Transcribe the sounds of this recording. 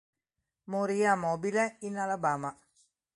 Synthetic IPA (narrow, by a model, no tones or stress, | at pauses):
moɾijamobilɐinalɐbama